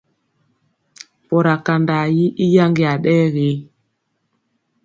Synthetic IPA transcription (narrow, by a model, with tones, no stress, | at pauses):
pɔ˨ɾa˨ka˨nda˨ji˦ʔi˦ja˦ŋɡi˨a˨ɗɛː˦ɣe˨˦